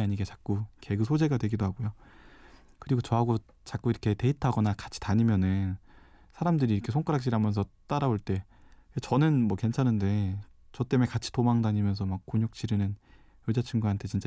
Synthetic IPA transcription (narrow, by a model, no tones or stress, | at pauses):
aɲiɡet͡ɕḁk̚k͈uke̞ɡɯsʰod͡ʑe̞ɡadwe̞ɡidoɦaɡojo | kɯɾiɡot͡ɕʌɦaɡo | t͡ɕak͈uiɾʌkʰe̞teitʰaɡʌnakḁt͡ɕʰi̥taɲimjʌnɯnsʰaɾamdɯɾiːɾʌkʰe̞sʰoŋk͈aɾakɕ͈iɾamjʌns̬ʰʌt͈aɾaboɭt͈e̞ | t͡ɕʌnɯnmwʌke̞nt͡ɕʰanɯnde̞t͡ɕʌt͈e̞me̞kat͡ɕʰi̥tomaŋdaɲimjʌns̬ʰʌmak̚k͈ːoɲjok̚t͡ɕ͈iɾɯnɯn | jʌd͡ʑat͡ɕʰɯŋɡuɦantʰe̞t͡ɕint͡ɕ͈a